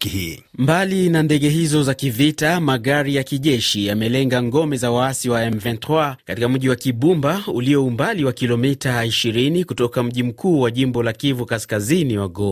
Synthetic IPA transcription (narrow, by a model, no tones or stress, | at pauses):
i | mbalinandɛɠɛɦizɔzakivitamaɣaɾijakiʄɛʃijamɛlɛŋɡaŋɡɔmɛzawaasiwaɛmvɛntwakatikam̩ʄiwakiɓumbauliɔumbaliwakilɔmitaiʃiɾinikutɔkam̩ʄim̩kʰuːwaʄimbɔlakivukaskaziniwaɡɔ